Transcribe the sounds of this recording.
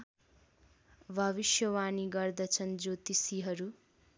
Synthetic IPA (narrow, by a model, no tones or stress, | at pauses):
bʱʌβisjʌwaniɡʌrd̪ʌt͡sʰʌnd͡zot̪isiɦʌɾu